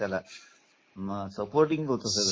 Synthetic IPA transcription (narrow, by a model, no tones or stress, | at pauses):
jala | məsəpoɾʈĩŋɡʱowt̪oseɡ